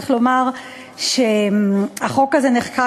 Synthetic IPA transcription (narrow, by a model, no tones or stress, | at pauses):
χlo̞maʁ | ʃeaχo̞kazeneχka